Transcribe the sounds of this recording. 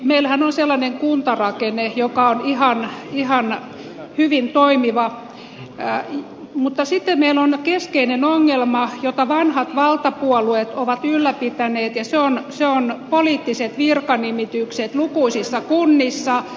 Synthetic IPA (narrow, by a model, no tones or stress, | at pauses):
meilhænonselːɑneŋkunt̪ɑrɑkenejokɑonihɑnihɑn | hyʋint̪oimiʋɑ | mut̪ːɑsit̪ːemmeilonkeskeinenoŋːelmɑjot̪ɑʋɑnhɑt̪ʋɑlt̪ɑpuɔluet̪oʋɑt̪ylːæpit̪æneːt̪jɑseonseonpoliːt̪ːiset̪ʋirkɑnimit̪ykset̪lukuisisːɑkunːisːɑ